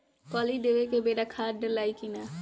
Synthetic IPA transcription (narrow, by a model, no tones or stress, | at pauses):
kɔːliːd̪eːʋekebeːɾaːkʰaːɖəlaːikinaː